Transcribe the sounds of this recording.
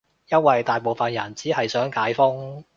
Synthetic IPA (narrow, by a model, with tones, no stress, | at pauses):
jɐ˥nwɐ˨jt̪aː˨jpo˨wfɐ˨njɐ˨˩nt͡siː˨˥hɐ˨jsœː˨˥ŋkaː˨˥jfʊ˥ŋ